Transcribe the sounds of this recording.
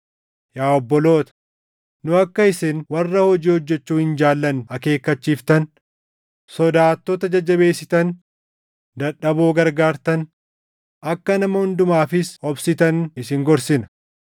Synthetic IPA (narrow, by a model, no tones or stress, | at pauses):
jaːɔbːɔlo̞ːt̪ɐ̥ | nʊɐkːɐɪsɪnwɐrːɐhɔd͡ʒiːhɔd͡ʒːɛt͡ʃːuːhɪnd͡ʒaːlːɐnɐke̞ːkːɐt͡ʃːiːft̪ɐn | sɔd̪aːt̪ːɔt̪ɐd͡ʒɐd͡ʒːɐbe̞ːsɪt̪ɐn | d̪ɐᶑɐboːɡɐɾɡaːɾt̪ɐn | ɐkːɐnɐmɐhʊnd̪ʊmaːfɪsɔbsɪt̪ɐnɪsɪŋɡɔɾsɪnɐ̥